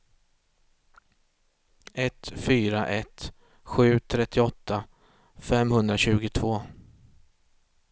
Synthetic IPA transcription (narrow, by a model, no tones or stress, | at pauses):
ɛt̪fyːɾaʔɛt̪ | ɧʉ̟ːt̪ʰɾɛt̪ʰːɪɔt̪ːa | fɛmhɵnd̪ɾaɕʉ̟ːɡʊt̪ʰvoː